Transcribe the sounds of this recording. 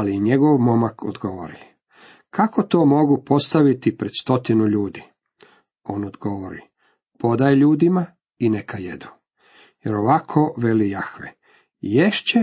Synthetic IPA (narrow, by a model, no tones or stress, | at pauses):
aliɲeɡoʋmo̞makʰo̰d̪ɡoʋo̰ɾi | kʰako̞t̪oːmo̞ɡupo̞st̪aʋit̪ipɾed̪st̪o̞t̪inuʎuːd̪i | o̞ːnod̪ɡoʋoɾḭ | po̞d̪ajʎuːd̪ima | inekʰajed̪u̥ | jeɾoʋakʰoʋe̞lijaxʋḛ | jeʃt͡ɕe